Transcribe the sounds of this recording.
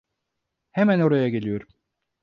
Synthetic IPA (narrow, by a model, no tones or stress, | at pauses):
hemæno̞ɾajaɡe̞lʲijo̞ɾum